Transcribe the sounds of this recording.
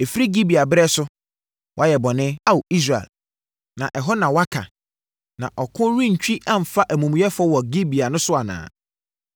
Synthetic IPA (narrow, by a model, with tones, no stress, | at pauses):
e˨fi˦ɾi˦ɡi˦bi˨a˨bɛ˦sʊ˦ | wʔa˦jɛ˨bɔ˨nɪ̃˦a˦wo˨i˦s̬ɾa˨ɛ̰˨l | nã˨ʔɛ˨ɦɔ˦nã˨wa˦kʰa̰˨ | nã̰˨ʔɔ˨kʰʊ̃˦ɾĩ˦ɲ̩˨t͡ɕᶣi˦ʔã˦m̩˨fa˦ʔæ˨mũ˨m̃˨˦ɛ˦fɔ˦wɔ˨ɡi˦bi˨a˨nʊ̃˦sʊ˦a˨nã̰ː˨